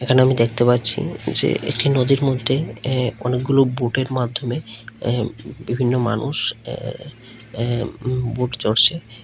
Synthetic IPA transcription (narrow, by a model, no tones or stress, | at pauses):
ekʰaneamid̪ekʰt̪epatːɕʰḭd͡ʑḛʔḛk̚ʈinod̪iɾmod̪ʱːeɔnek̚ɡuloboʈeɾmad̪ʱːome | bibʱinːoma̰nṵʃ | boʈt͡ɕoɽt͡ɕʰe